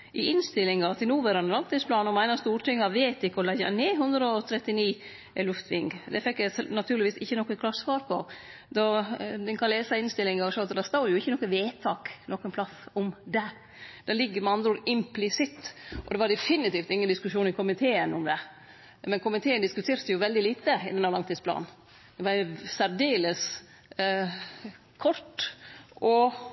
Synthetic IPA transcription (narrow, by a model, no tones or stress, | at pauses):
ʔɪɪnst̪ɪlːɪŋɑt̪ʰɪlnuːʋæɾɑnəɾɑlt̪ɪspʰlɑːnɔmæɪnɑst̪uːɾʈɪŋːɑʋeːt̪ɪkːəɔlɛɑ̰neːɦʉnd̪ɾəɔt̪ʰɾɛt̪ːɪniː | lʉft̪ʰʋɪŋɡd̪ɛfɛkːɛnɑt̪ʰʉːɾlɪʋiːsɪçːənɔkːəkʰlɑsʋɑːɾpʰɔ | d̪ɔd̪ɪnkʰɑleːsɑɪnst̪ɪlːɪŋɑʂɔɑt̪d̪æɾst̪oːɾjʊɪçːənɔkəʋeːt̪ʰɑːknɔkənpʰlɑθʊmd̪ɛ | d̪ɛlɪɡːəɾmɛɑnd̪ɾəoːɾɪmplɪsɪt̪ːʔɔd̪ɛʋɑɖ̪ɛfɪnɪt̪iːft̪ɪŋːənd̪ɪskʉʂuːnɪkʰʊmɪt̪ʰeːənʊmd̪ɛ | mɛnkʊmɪt̪ʰeːənd̪ɪskʉt̪ʰeːɾɛjʊʋɛld̪ɪliːt̪əɪ̰d̪ɛnːæɾlɑŋt̪ʰiːsplɑ̰ːnn̩ | d̪ɛʋɑɾsæɾd̪eːləs | kʰɔɾʈ̪ | ɔ